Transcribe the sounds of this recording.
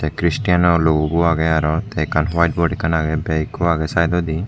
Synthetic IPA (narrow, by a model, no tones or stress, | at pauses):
sɛkɾisʈijanɔloɡubuaɡɛaɾɔt̪ɛkʰanwajʈbɔɖikʰanaɡɛbɛjkɔaɡɛsajd̪ɔd̪i